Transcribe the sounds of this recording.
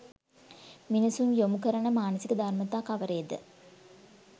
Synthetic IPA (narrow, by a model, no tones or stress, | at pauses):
minisumjomukəɾɐɳəmaːnəsikəd̪ʱarmɐt̪aːkɐʋəɾejːd̪ə̰